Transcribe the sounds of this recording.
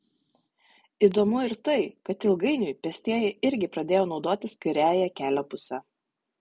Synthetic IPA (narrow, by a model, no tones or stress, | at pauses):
id̪oːmʊɪɾt̪ɐɪkɐt̪ɪlˠɡɐɪnʲʊjpʲɛsʲt̪ʲiɛjɛɪɪɾʲɡʲɪpɾɐd̪ʲeːjoːnɒʊd̪oːt̪ʲɪskɐɪɾʲæːjɛkʲæːlʲopʊsʲɛ